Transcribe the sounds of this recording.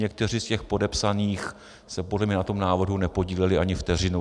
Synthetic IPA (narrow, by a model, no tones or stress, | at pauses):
ɛk̚t̪ɛr̝ɪscɛxpo̞dɛpsaniːx | sɛpo̞dlɛmɲɛnat̪o̞mnaːvr̩ɦunɛpo̞ɟiːlɛlɪʔaɲɪft̪ɛr̝ɪnu